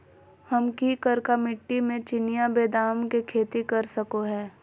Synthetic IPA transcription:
hɐmkikəɾkamɪʈːimẽt͡ʃɪnɪjabeːd̪aːmkekʰeːt̪ikɐɾsɐkoɦɛː

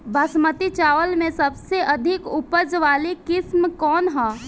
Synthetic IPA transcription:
bʱɐsmət̪it͡ʃaːʋəlmẽsɐbseʔɐd̪ʱɪkʊpəd͡ʒʋaːlikɪsmkɔːnɦɔ̃ː

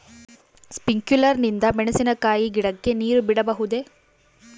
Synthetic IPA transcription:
spiŋkjulɐɾnind̪ɐmɛɳesinɐkaːjiɡiɽɐkːe̞niːɾubiɽɐbɐɦud̪e̞

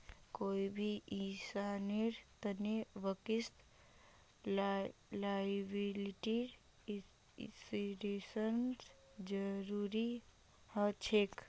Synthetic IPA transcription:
koibʱiʔĩsaneɾt̪əneʋəkist̪ | labiliʈiɾ | siɾesəns | d͡ʒəɾuɾi | hət͡ʃʰek

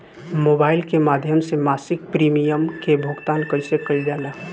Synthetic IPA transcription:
moːbaːɪlkemaːd̪ʱjəmsemaːsɪk̚pɾiːmijəmkebʱʊɡt̪aːnkəɾsekəid͡ʒaːna

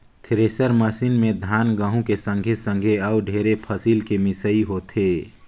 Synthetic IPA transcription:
t̪ʰɪɾeːsəɾməsinmẽd̪ʱaːnɡəɦũkesə̃ŋɡʱesə̃ŋɡʱeəʊɖʱeːɾepʰəsiːlkemɪsəiɦot̪ʰeː

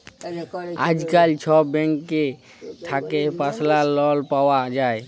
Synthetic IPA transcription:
a̰d͡ʒkalt͡ʃʰɔbɛ̃ŋkːe | t̪ʰakepaslalɔlpawad͡ʒae

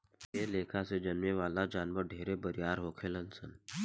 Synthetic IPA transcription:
eːleːkʰased͡ʒɐnmeʋaːlad͡ʒaːnʋəɾɖʱeːɾebəɾijaːɾɦoːkʰelənsən

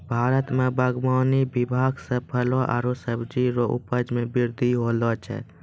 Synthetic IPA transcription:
bʱaːɾət̪mẽbəɡmaːnibɪbʱaːɡsəpʰəlɔʔa̰ːɾosəbd͡ʒiɾoʔʊ̰pəd͡ʒmẽbɪɾd̪ʱiɦoːlɔt͡ʃʰɛ̰

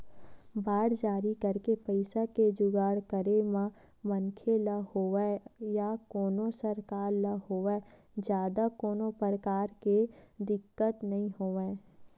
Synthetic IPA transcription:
baːɽd͡ʒaːɾikəɾkepəɪsaked͡ʒʊɡaːɽkəɾemã | mənkʰeləhoːʋejakoːnõsəɾkaːɾləɦoːʋe | d͡ʒjaːd̪akoːnõpəɾəkaːɾked̪ɪkːət̪nɐɦĩɦoːʋẽː

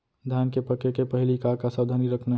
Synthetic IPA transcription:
d̪ʱjankepəkekepəɦilikakasəbd̪ʱəniɾəkʰne

